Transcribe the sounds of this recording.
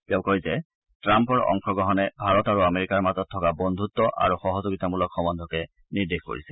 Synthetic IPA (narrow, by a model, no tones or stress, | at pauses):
t̪ɛʊ̃koizɛ | tɹampɔɹɔ̰ŋkɔɡɔɦɔnɛbʱaɹɔtaɹuameɹikaɹmazɔtʰːɔkabɔnd̪ʱut̪ːɔʔa̰ɹuxɔɦɔzoɡitamulɔkxɔmɔnd̪ʱɔkɛ | niɹdexko̰ɹḭsɛ